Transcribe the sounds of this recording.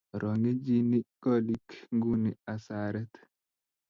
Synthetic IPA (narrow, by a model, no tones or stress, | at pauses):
ɾʔɔŋɡid͡ʒinikolikŋɡuniasaɾɛt̪